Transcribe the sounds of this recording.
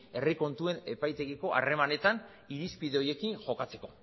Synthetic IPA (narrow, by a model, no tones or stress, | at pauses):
e̞riko̞nt̪ue̞ne̞pajt̪e̞ɣiko̞ʔa̰re̞mane̞t̪an | iɾispiðe̞o̞je̞kinʝo̞kat͡se̞̥ko̞